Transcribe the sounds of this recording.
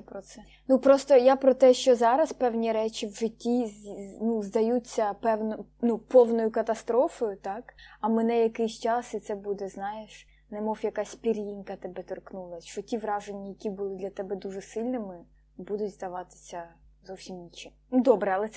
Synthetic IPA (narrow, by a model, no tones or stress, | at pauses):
pɾɔsɛ | nupɾɔst̪ɔjapɾɔt̪ɛʃt͡ʃɔzɑɾɐspɛwnʲiɾɛt͡ʃiwʒɪtʲːinuzd̪ɐjut͡sʲːɐpɛwnɔnupɔwnɔjʊkɐt̪ɐst̪ɾɔfɔjʊt̪ɑkɐmɛnɛjɐkɪjsʲt͡ʃɑsɪt̪sɛbud̪ɛznɑjeʃ | nɛmɔwjɐkɑsʲpʲiɾʲjinkɐt̪ɛbɛt̪ɔrknulˠɐʃt͡ʃɔtʲiʋɾɑʒenʲːɐjɐkʲibʊlˠɪd̪lʲɐt̪ɛbɛd̪uʒɛsɪlʲnɪmɪ | bud̪ʊtʲzd̪ɐʋɑt̪ɪ̥sʲɐzɔwsʲimnʲit͡ʃɪmd̪ɔbɾɛɐlˠɛsɛ